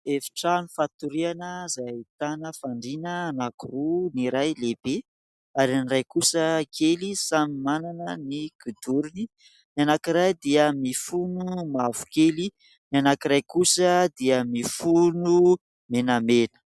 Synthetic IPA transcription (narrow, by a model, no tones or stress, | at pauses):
efi̥ʈ͡ʂanufat̪uɾianəzait̪anəfaɳɖ͡ʐinənakuruniɾajleb̥e | aɾinirajkusəkʰelisamimananəniɡ̥ud̪uɾuni | nianakiɾajd̪iəmifunumavu̥keli | nianakiɾajkusəd̪iəmifunu | menamenə̥